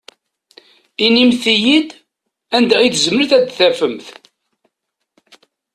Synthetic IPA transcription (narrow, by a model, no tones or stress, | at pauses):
inimθijid̪ | ænd̪æʁiθzməɾθæd̪θæfəmθ